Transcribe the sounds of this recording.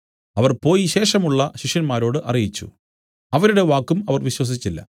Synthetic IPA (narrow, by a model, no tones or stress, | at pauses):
ɐʋɐrpo̞ːjiɕe̞ːʂɐmuɭːɐɕiʂjɐnmaːɾo̞ːɽɨʔɐrijit͡ɕːṵ | ɐʋɐɾuɽe̞ʋaːkːumɐʋɐrʋiɕwɐs̬it͡ɕːilːɐ̰